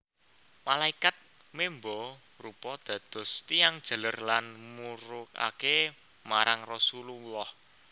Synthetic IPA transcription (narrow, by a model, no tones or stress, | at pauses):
malaikat̪̚ | membɔ | rupɔd̪̥ä̤d̪̥ʊ̤st̪ijaŋd̥ʒ̥ə̤lərlanmuɾʊk̚a̰ke | maɾaŋrɔsuluwɔh